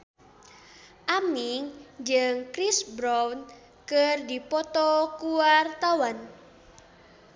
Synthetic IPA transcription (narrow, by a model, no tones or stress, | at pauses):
ʔamiŋd͡ʒɨŋkɾisbɾawn | kərdipɔt̪ɔkuwart̪awan